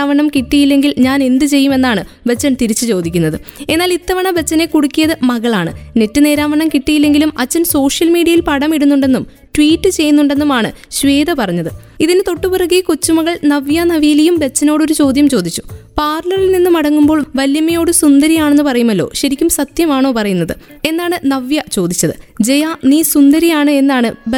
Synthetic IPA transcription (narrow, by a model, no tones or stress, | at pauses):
aːʋɐɳɐmkiʈːijilːe̞ŋɡilɲaːne̞nd̪ɨt͡ɕe̞jːume̞nːaːɳɨbe̞t͡ɕːɐnt̪iɾit͡ɕːɨt͡ɕo̞ːd̪ikʲːunːɐðɨe̞nːaːlit̪ːɐʋɐɳɐbe̞t͡ɕːɐne̞kuɽukʲːijɐðɨmɐɣɐɭaːɳɨ̰ne̞tːɨne̞ːɾaːʋɐɳɐmkiʈːijilːe̞ŋɡilumɐt͡ɕːɐnso̞ːʂjɐlmiːɽiɐjilpɐɽɐmiɽunːuɳɖe̞nːum | ʈʋiːʈːɨt͡ɕe̞jːunːuɳɖe̞nːumaːɳɨɕʋe̞ːd̪ɐpɐrɐɲːɐðɨ | iðinɨt̪o̞ʈːupɨrɐɣikot͡ɕːumɐɣɐɭnɐʋjɐnɐʋijilejumbe̞t͡ɕːɐno̞ːɽo̞ɾut͡ɕo̞ːd̪ʱjɐmt͡ɕo̞ːd̪it͡ɕːu̥paːrlɐrilninːumɐɽɐŋːumboːɭʋɐljɐmɐjo̞ːɽɨsund̪ɐɾijaːɳenːɨpɐrɐjumɐlːo̞̰ːɕɐɾikʲːumsɐt̪jɐmaːɳo̞ːpɐrɐjunːɐðɨ | e̞nːaːɳɨnɐʋjɐt͡ɕo̞ːd̪it͡ɕːɐðɨ̰d͡ʑejaniːsund̪ɐɾijaːɳɨe̞nːaːɳɨ